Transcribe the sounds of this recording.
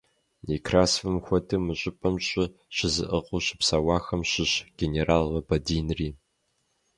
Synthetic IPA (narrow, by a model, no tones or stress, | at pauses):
nekʰraːsfɨmxʷɔtʰɨmɨɕʼɪpʼɐmɕʼɪɕɪzɨʔəqʷʼʊɕɪ̥psaːwɑːxɐmɕɪɕɡ̥ʲeneɾaːlːɐbɐdiːnriː